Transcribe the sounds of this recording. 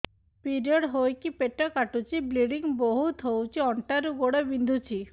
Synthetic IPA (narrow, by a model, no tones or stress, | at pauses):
piɾiɔɽɦojkipeʈɔkaʈut͡ʃʰibliɖiŋboɦut̪ɦowt͡ʃʰiɔɳʈaɾuɡoɽɔbind̪ʱut͡ɕʰi